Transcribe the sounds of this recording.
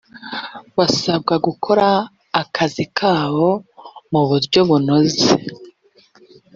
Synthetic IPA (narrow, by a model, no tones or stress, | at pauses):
βasab̚ɡaɡukʰo̞ɾaː | kʰazikʰaːβo̞muβuɾɟo̞βuno̞ze